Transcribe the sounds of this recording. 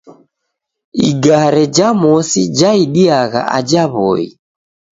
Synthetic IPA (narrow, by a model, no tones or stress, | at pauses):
iɡaɾɛd͡ʒamɔsid͡ʒaiɗiaɣa̰ʔa̰d͡ʒaβɔ̰ḭ